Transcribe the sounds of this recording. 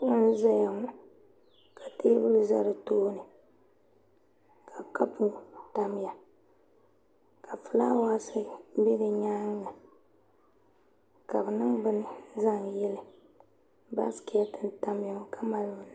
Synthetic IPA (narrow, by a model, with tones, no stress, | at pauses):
ʊ˦n˦za˦ja˨ŋʊ˦ | kʰa˨teː˦bʊ˦lu˦za˦ɾɨ˨toː˦nɨ˨ | kʰa˨ka˦pu˦ta˨m˦ja˨ | kʰa˨fɨ˨la˦wa˦sɨ˦be˦dɨ˨ɲaː˦ŋːa˨ | ka˨bɨ˨nɨ˦ŋbɨ˦nɨ˦˨za˦˨ŋjɛ˦lɨ˦ | ba̰˦ski˨ja˦tɨ˦n˦ta˦m˦ja˨ŋ˦ka˨ma˦lɡʊ˨n˨